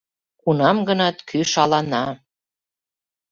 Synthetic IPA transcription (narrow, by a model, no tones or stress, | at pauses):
kunɑmɡɤnɑt̪kʰyʃɑlɑnɑ